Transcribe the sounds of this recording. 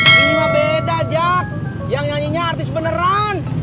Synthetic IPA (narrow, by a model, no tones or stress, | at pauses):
iɲabedad͡ʒak̚ | jaŋjaɲiɲaːrt̪ɪsbənəɾan